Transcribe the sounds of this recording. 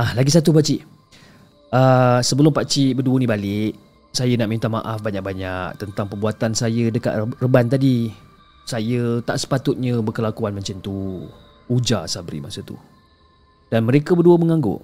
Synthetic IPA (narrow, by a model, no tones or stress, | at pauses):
alaɡisat̪up̬aʔt͡ʃiʔ | əsəbəlʊmpaʔt͡ʃiʔbəduənibalɪʔ | sajənaʔmint̪ama̰ʔafbaɲak̚baɲak̚t̪ənt̪aŋpərbuat̪ansajədəka̰ʔ̪rəbant̪adi | sajət̪aʔsə̥pat̪ʊt̪̚ɲəbərkəlakuanməɲt͡ʃənt̪u | ud͡ʒasabɾḭmasət̪ṵ | d̥anməɾekəbəduəməŋãŋɡo̰ʔ